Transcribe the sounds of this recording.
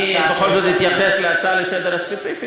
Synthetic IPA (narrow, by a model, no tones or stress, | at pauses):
ibexolzod̪it̪jaχesleat͡salesed̪eɾhaspet͡sifi